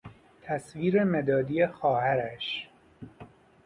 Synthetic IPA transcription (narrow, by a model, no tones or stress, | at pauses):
t̪ʰæsviːɾemed̪ɒːd̪iːjexɒːhæɾæʃ